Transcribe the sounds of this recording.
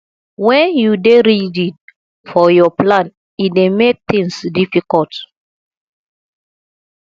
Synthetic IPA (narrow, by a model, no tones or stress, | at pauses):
wɛ̃njudeɾidĩn | fɔjɔplãn | idemek̚t̪ĩŋsdifikɔlt